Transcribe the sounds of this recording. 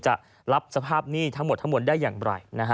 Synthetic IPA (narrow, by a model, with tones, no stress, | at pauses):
t͡ɕa̰˨˩ʔ | ɾa˦˥p̚sa˧pʰaː˥˩p̚niː˥˩t̪ʰa˦˥ŋmo˨˩t̪ʰːa˦˥mo˨˩t̪̚daː˥˩jːaː˨˩ŋɾa̰˨˩jna˦˥kʰ